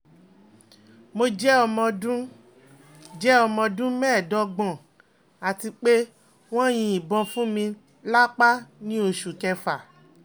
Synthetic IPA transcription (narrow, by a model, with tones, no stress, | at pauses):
mo˧d͡ʒɛ˦ɔ˧mɔ̃˧dũ˦ | d͡ʒɛ˦ɔ˧mɔ̃˧dũ˦mɛː˦˨dɔ˨˦ɡ͡bɔ̃˨ | a˨ti˧k͡pe˦ | w̃ɔ̃˦j̃ĩ˧i˨bɔ̃˧fũ˦mĩ˧ | la˦k͡pa˦nĩ˦o˧ʃu˨kɛ˧fa˨